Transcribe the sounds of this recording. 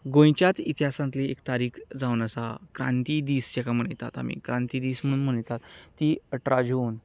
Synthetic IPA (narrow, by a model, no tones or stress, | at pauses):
ɡõjt͡ɕjat̪it̪iɦasãnt̪leek̚t̪aɾiːkʰd͡zaunəsakɾã̰nt̪iːd̪iːsd͡ʑɛkam̤əɳəjt̪a̰t̪a̰mḭkɾãnt̪iːd̪iːsm̤əɽuːnm̤əɽ̃əjt̪at̪ːiːəʈɾad͡ʑoːn